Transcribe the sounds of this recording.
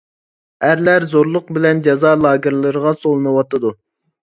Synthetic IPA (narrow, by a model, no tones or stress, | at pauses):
æɾlæɾzoɾlˠʊq̚bɪlɛnd͡ʒɑzɑlˠɑːɡʲɪɾlˠɨɾəʁɑsolˠɨnɨwɑt̪ʰɨd̪u